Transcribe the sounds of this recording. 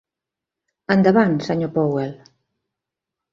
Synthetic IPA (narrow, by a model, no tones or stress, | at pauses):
and̪aβansaɲopowɛl